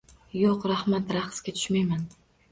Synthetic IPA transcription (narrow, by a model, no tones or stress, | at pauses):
joqɾahmat̪ɾaχskʲat̪ʰʊ̥ʃmajman